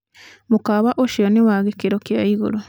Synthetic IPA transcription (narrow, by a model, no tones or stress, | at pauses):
mukaβaʔoʃionewaɣekiɾokjaiɣṵɾo